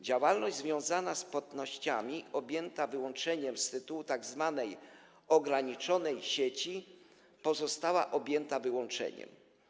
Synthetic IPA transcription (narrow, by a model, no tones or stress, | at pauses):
d͡ʑawalnɔʑʲzvʲjɔ̃w̃zanaspwat̪nɔɕt͡ɕamʲiɔbʲjɛnt̪avɘwɔnt͡ʂɛɲɛmst̪ɘt̪uwut̪aɡzvanɛj | ɔɡɾaɲit͡ʂɔnɛjɕet͡ɕi | pɔzɔst̪awaʔɔbʲjɛnt̪avɘwɔnt͡ʂɛ̰ɲɛ̰m